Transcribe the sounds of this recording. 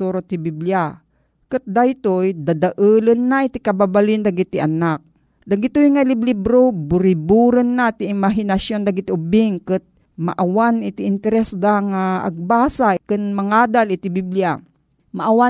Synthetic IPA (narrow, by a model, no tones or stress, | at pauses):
uɾot̪ibiblja | kɨt̪̚d̪ajt̪ojd̪ad̪aʔɨːlənːaʔit̪ikababalɪnd̪aɡit̪iʔanak̚ | d̪aɡit̪ojŋalɪblɪbɾobʊɾɪbuɾənːat̪iːmaɦɪnasjond̪aɡit̪iʊbɪŋkɨt̪̚ | ma̰ʔawanɪt̪iʔɪnt̪ɛɾɛsd̪aŋaɐ̰ɡ̚baːsakɨnmaŋaːd̪alɪt̪ibiblja | maʔawa